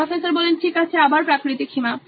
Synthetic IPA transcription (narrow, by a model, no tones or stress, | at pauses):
ɔfesaɾbɔlenʈʰikat͡ɕʰeabaɾpɾakɾit̪ikʰima